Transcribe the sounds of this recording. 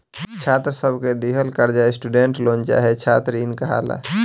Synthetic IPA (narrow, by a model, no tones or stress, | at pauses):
t͡ʃʰaːt̪ɾsəbʱked̪iɦəlkəɾd͡ʒaesʈuɖeɳʈloːnt͡ʃa̰ːɦet͡ʃʰaːt̪ɾinkəɦa̰ːla̰